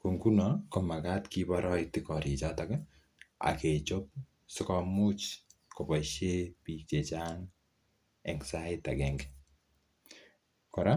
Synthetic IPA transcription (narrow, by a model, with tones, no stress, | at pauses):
ko˨ŋku˦no˨kɔ˨ma˨ɡa˦tki˦ba˦ɾɔ˦ɪk̚tɪ˦kɔ˨ɾi˨t͡ʃɔ˦ta˦kɛ˦ | a̰˨ke˨t͡ʃo˦p̚ | sɔ˦kɔ˦mʊ˦t͡ʃko˨pa˨ʃe˦pi˨e˨t͡ʃa˦ŋ | ɛŋsa˦ɪta˨ɡɛŋɡɛ | kɔ˨ɾa˦